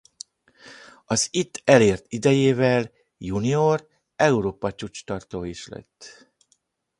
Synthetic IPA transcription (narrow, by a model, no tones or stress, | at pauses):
ɒzit̪ːɛleːrt̪id̪ɛjeːvɛl | junior | ɛuɾoːpɒt͡ʃut͡ʃt̪ɒrt̪oːiʃlɛ̰t̪ː